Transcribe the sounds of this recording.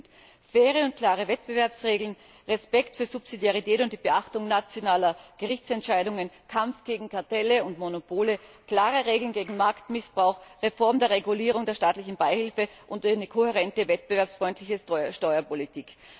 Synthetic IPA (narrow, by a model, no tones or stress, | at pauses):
fɛːʁəʊnt̚kʰl̥aːʁ̞əvɛtb̥əvɛɐpsʁeːɡl̩n | ʁɛspɛktfyːɐz̥upsidjaʁ̞itʰɛːtʊnt̚d̥iːbəʔaχtʊŋnat͡sjonaːlɐɡ̥əʁɪçt͡sɛntʃaɪɾʊŋənkʰamfɡ̥eːɡŋ̩kʰaɐtɛləʊntmonopʰoːləkl̥aːʁəʁeːɡl̩n̩ɡeːɡŋ̩maɐktmɪsb̥ʁaʊxʁefɔɐmdeːɐʁeɡuliːʁ̞ʊŋdeːɐʃtaːtlɪçn̩baɪhɪlfəʔʊntynəkʰohɛʁɛntəvɛt̚b̥əvɛɐpsfʁ̥ɔʏntʰlɪçəʃtɔʏɐpolitʰiːk